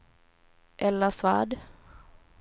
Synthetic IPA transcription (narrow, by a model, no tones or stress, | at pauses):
ʔɛlːasvaɖ